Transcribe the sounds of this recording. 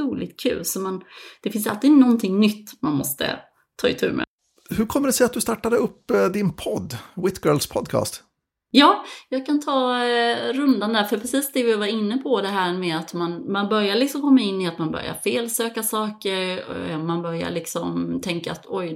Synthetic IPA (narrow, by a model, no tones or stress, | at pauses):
uːlɪɡ̚t̪̚kʰʉ̰ːlsɔmɛnd̪̥ɛfɪnsa̰lt̪ɪnɔnt̪ʰɪŋnʏt̪ːmanmɔst̪ə̰ | t̪ʰɑ̰ːɪt̪ʰʉ̟̰ːɾmʔɛ̰ | hɵɾkʰɔmːəɖɛsɛjat̪̚d̪ɵst̪aʈːad̪əɵpːd̪ɪnpʰɔd̪ːwɪt̪ɡœːlspʰɔd̪kʰɑ̰ːst̪ | jɑːjɑːɡ̚kʰant̪ʰɑː | ɾɵnd̪and̪æːɾfœpʰɾɛsiːsd̪ɛvɪvaɾɪnːəpʰɔd̪ɛɦæːɾmɛat̪manmanbœɾjaɾlɪksɔmkʰɔmːaɪnːɪat̪manbœ̰ɾja̰ɾfeːlsøːkasɑːkəɾmanbœɾja̰ɭɪksɔmt̪ʰɛŋkaːt̪ʰɔj